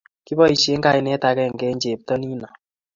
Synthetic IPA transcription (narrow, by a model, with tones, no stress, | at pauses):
ki˦bɔ˦i˨ʃe˦ŋɡa˦i˦nɛ˦ta˧kɛ˦˨ŋɡɛ˦ɲd͡ʒe˨p̚tɔ˦ni˦na˨